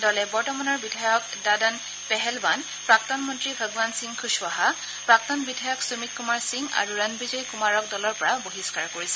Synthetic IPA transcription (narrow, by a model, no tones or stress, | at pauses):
dɔlɛbɔɹtɔmanɔɹbidʱajɔk | dadan | pɛɦɛlban | pɹak̚tɔnmɔntɹibʱəɡwansiŋkʰuswaɦa | pɹak̚tɔnbidʱajɔksumit̚kːumaɹsiŋa̰ɹuɹanbizɔjkumaɹɔk̚dɔlɔɹpɔɹaboɦiskaɹkoɹisɛ